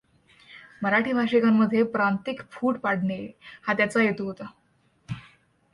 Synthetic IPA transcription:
məɾaʈʰiːbʱaɕikamːəd̪ʱːjepɾant̪ikfuːʈpaɽɳehat̪jat͡sajet̪uːɦot̪a

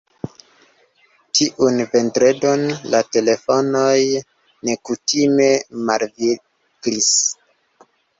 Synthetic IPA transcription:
tʰiʔunpe̞ntɾe̞do̞nlate̞le̞fo̞no̞j | ne̞kutime̞malvi | ɡɾis

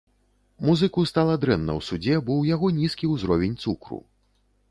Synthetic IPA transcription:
muzɨkust̪alˠɐd̪ɾɛnːɐ̰wsud͡zʲɛbɨwjaɣɔnʲiskʲiwzɾɔvʲenʲt̪sukɾṵ

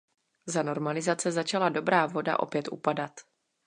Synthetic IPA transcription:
zano̞ɾmalɪzat͡sɛzat͡ʃalado̞bɾaːvo̞da̰ʔo̞̰pjɛt̪ʔṵpadat̪

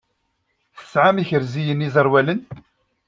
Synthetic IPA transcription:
θə̥sʕamiçəɾzijənizˤəɾˤwælən

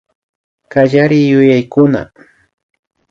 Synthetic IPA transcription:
kaʎaɾɪjʊjajkʊna̰

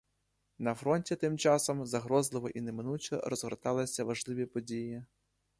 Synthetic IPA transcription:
nɐfɾɔnʲtʲit̪ɪmt͡ʃɑsɔmzɐɦɾɔzlˠɪʋɔʔinemɪnut͡ʃɛ̰ɾɔzɦɔɾt̪ɑlˠɐsʲɐʋɐʒlˠɪʋʲipɔdʲiji

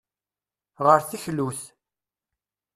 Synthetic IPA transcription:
ʁəɾθiçluθ

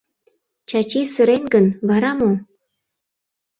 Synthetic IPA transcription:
t͡ɕɑt͡ɕisəɾenɡənβɑɾɑmo

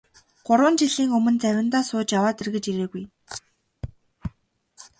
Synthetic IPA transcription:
ɢ̥ʊɾwə̆nt͡ɕiɮiːŋɵmɵ̆nt͡sæwʲɪ̆nt̪aːsʊːt͡ɕjawaːt̪irɣɘ̆t͡ɕiɾeːɣuj

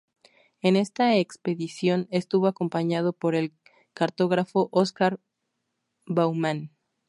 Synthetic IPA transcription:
e̞ne̞st̪aekspe̞ðisjo̞ne̞st̪uβo̞ako̞mpaɲað̞o̞po̞ɾe̞l | kaɾt̪o̞ɣɾafo̞ʔoskaɾ | bawmãn

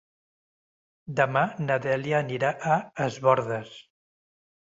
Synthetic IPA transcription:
d̪əmanəðɛliəːniɾaʔəəzβɔɾðəs

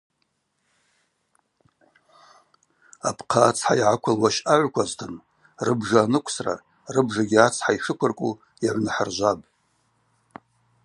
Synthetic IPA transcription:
apʰqʰaːt͡sʰħaiʕakʷʰalwaʃaʕʷkʷʰaztʰɨn | rɨbʐaːnɨkʷʰsra̰ | rɨbʐaɡʲiat͡sʰħaiʂɨkʷʰʊrkʷʼu | jaʕʷnɨħarʒʷabʼ

